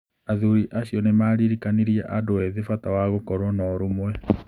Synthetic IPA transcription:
aðuɾiʔaɕjɔnemaːɾiɾikaniɾiaʔadoɛðefatawaɣokɔɾwɔnɔɾumwɛ

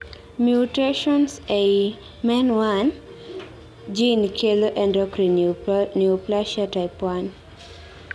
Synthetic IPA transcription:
mjuteʃɔnsej | mɛnwan | d͡ʒinkʰeloʔɛ̃ndɔkɾiniuplaʃataɪpwan

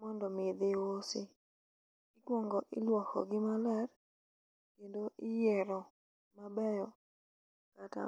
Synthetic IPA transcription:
mɔndɔmɪd̪ɪwosɪ | ɪkwɔŋɡɔʔɪlwɔkɔ̰ɡɪmalɛr | kendoʔɪjɛɾɔ | mabɛjɔ | kata̰

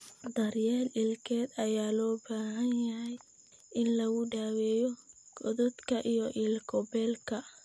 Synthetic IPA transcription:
d̪ɐrjɛːlɪlkʰɛːd̪ɐjaːlɔːbaːɦɐnjɐɦɛj | ʔɪnlɐɣʊɖaːwɛːjɔ | ɡɔðɔd̪kʰɐʔijɔʔilkʰɔbɛːlkʰɐ

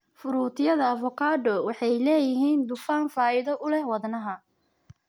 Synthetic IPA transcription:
fʊɾuːt̪ʰɪjɐðɐːfɔkʰaːd̪ɔwɑħɑjlɛːjɪɦiːnd̪ʊfaːnfaːɪðɔʔʊlɛhwɑðnɐɦɐ

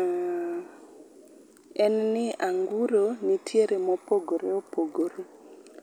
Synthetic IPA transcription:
ɛnnɪaŋɡuɾonitʰjeɾemɔpoɡoɾeopoɡoɾo

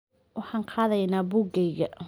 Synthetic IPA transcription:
wɑħɑːnqʰɑːðɐjnaːbʊɡɛjɣɐ

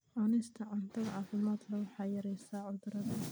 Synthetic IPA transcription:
ʕɔnɪst̪ʰɐʕɔnt̪ʰɐðʕɑːfɪmaːd̪lɐwɑħɑːjɐɾɛjsaːʕʊd̪ɾɐðɐ

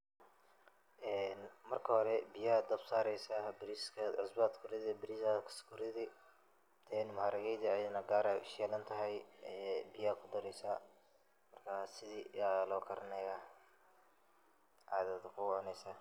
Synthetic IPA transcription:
ʔɛːnmɐrkʰɐhɔɾɛbɪjad̪ɐbsaːɾɛjsabɪɾiskʰɐʕɪsbat̪kʰʊɾɪðɪbɪɾisakʰɐ̥skʰʊɾɪðɪ | t̪ʰɛnmɐhaːɾɐɣɛjd̪ɐɐjnɐɡaːɾɐʃjɛːlɐnt̪ʰɐɦɛjɛːbɪjakʰʊd̪ɐɾɛjsaː | mɐrkʰaːsɪðiːaːlɔːkʰɐɾɐnɛja | ʕaːðɐd̪kʰʊwʕʊnɛjsaː

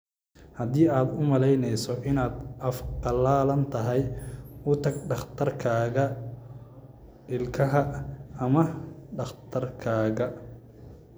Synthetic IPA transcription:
hɐðiːaːd̪ʊmɐlɛjnɛjsɔʔɪnaːd̪ɐfqɑlaːlɐnt̪ʰɐɦɛjʊt̪ʰɐɡɖɑχt̪ʰɐrkʰaːɣɐ | ɪlkʰɐɦɐɐmɐɖɑχt̪ʰɐrkʰaːɣɐ

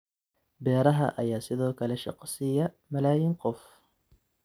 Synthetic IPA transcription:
bɛːɾɐɦɐ̰ʔɐjaːsɪðɔːkʰɐlɛʃɑ̰qsɪjɐ | mɐlaːjɪnqɔf

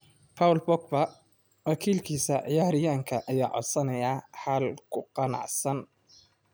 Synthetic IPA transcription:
pʰaːwlbɔk̚bɐ | wɑkʰiːlkʰiːsɐʕɪjaːɾɪjaːŋkʰɐʔɐjaːʕɔ̰d̪sɐnɐjaːħalkʰʊqɑnɑ̰ʕsɐn

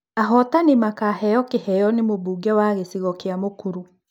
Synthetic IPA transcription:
aɦɔtanemakahɛjɔkehɛjɔnemoβuːɡɛwaɣesiɣɔkeamokuɾu

